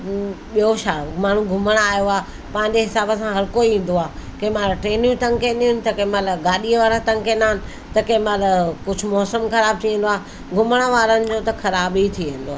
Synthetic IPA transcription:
ɓijoʃaːmaːɳ̤ũɡʱʊməɽ̃aːjoaː | pãːɪ̃ɲd͡ʑeɦɪsaːbə̆sãɦɐɾkoiĩːn̆d̪oaːkɐ̃ɦmaːlʈɾeːnjũt̪ɐ̃ŋkẽniɦʊnɪ̆t̪ɐkɐ̃malɡaːɗiəʋaːɾat̪ɐ̃ŋkẽːnd̪aɦɪnɪ̆ | t̪ɐkɐ̃ɪ̃maːlkʊd͡ʑʱʊmɔːsəmkɐɾaːb̚t̪ʰiʋẽːn̆d̪oaːɦ | ɡʱʊməɽ̃əʋaːɾənɪ̆d͡ʑoːt̪ɐxɐɾaːbit̪ʰiʋẽːnd̪oaːe

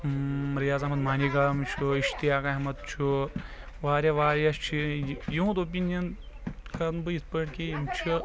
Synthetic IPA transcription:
ɾijaːzɐɦmɐt̪maːniɡɐmt͡ʃʰuiʃt̪iɦaːkɐɦmɐt̪t͡ʃʰu | ʋaːɾʲjɐʋaːɾjɐst͡ʃʰijuɦũt̪oːp̬ʲinjɐn | kɐɾnbɨispəʈkejimt͡ʃʰi

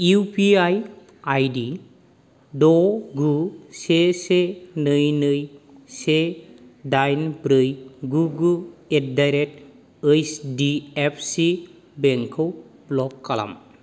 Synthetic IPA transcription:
upiaj | ajdi | dɔɡusesenɯjnɯjsedajnbɾɯjɡuɡuet̚dajɾet̚ | əjsdiepʰsi | beŋkʰow | blɔkːala̰m

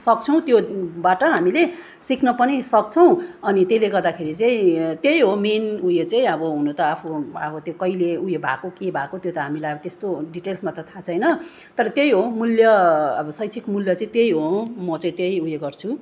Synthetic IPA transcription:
sʌk̚t͡sʰʌ̃w̃t̪jobaʈʌɦamile | siknʌpʌnisʌk̚t͡sʰʌw̃ʌnit̪jeileɡʌrd̪akʰeɾit͡saĩt̪jejɦominujet͡saĩʌbʌɦunot̪ʌapʰuʌbʌt̪jokʌileujebʱa̰kokebʱakot̪jot̪ʌɦamilajʌbʌt̪est̪oɖiʈelsmat̪ʌt̪ʰat͡sʰʌjnʌ | t̪ʌɾʌt̪jejɦomuljʌːbʌsʌjt͡sʰikmuljʌt͡saĩt̪jejɦomʌt͡saĩt̪jejujeɡʌrt͡sʰu

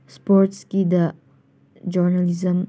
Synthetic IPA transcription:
spɔɾt̪skid̪ə | d͡ʒɔɾnalizəm

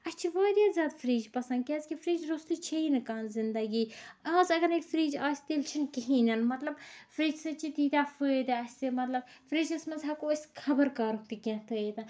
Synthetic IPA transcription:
ɐst͡ʃʰiʋaːd̪ʲjaːzʲjaːd̪fɾiːd͡ʒpɐsɐnd̪̚kʲɐːzkifɾiːd͡ʒɾost̪it͡ʃʰeinɨkaːnzɪnd̪ɐɡiːaːzɐɡɐɾnekfɾiːd͡ʒaːsʲt̪ilt͡ʃʰinkiɦinɐnmɐt̪lɐbfɾiːd͡ʒsɨt͡ʃit̪iːt̪ʲaːfəːd̪ɨɐsʲsɨmɐt̪lɐb̚fɾiːd͡ʒɐsmɐzɦakoɐskʰɐbəɾkaːɾuk̚t̪ikʲãt̪ʰəːet̪ɐ

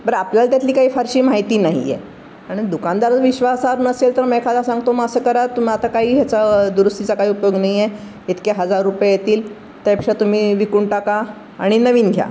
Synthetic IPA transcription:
bəɾapljalt̪jat̪liːkaɦiːfaɾɕiːmaɦit̪iːnaɦḭjɛ̰ | aɽ̃id̪ukand̪aɾət͡sʋiɕʋasaɾunəselt̪əɾmɛkʰad̪asãŋɡt̪oməɡəsəːkəɾat̪um̤iat̪akaɦiːɦjat͡sad̪uɾust̪it͡sakaɦiːupjoɡnaɦijɛ | it̪keɦəd͡zaɾːupjajet̪iːl | t̪apəkʂat̪um̤iːʋikuɳʈaka | aɽ̃inəʋiːnɡʱja̰

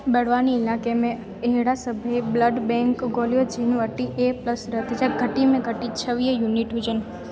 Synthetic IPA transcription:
bəɽʋaniːlakemẽ | ɦiɽasəbʱəebləɖbɛ̃ŋkɡolijod͡ʒinʋəʈːiʔepləsɾət̪it͡ʃʰaɡʱəʈːimẽɡʱəʈit͡ʃʰəʋjəjuniʈɦud͡ʒən

